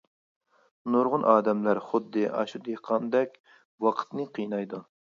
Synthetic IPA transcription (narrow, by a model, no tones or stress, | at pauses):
noɾʁʊnʔɑːd̪ɛmlæɾχʊd̪ːɨʔɑ̰ʃud̪eqʰɑnd̪ɛkʲ | wɑqʰə̥t̪nɨqʰijnɑjd̪u